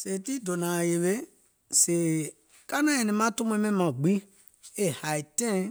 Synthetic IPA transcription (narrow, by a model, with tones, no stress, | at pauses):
se˨ti˦do˨nã˨je˨βe˦ | seː˨ | ka˦nã˦ɛ̃˨nĩ˧mã˦to˦mũ˧˦mɛ̃˦mã˨ɡ͡bi˦ | e˦ha˨i˨tɛ̃˦˨